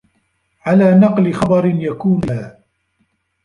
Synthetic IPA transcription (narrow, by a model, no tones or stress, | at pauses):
ʕalaːnɑqlɪxɑbɑɾɪnjakuːnaː